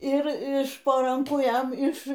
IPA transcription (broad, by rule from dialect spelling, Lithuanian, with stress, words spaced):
ɪr ɪʃ poː ˈrɐŋkuː ˈjɛm ɪʃ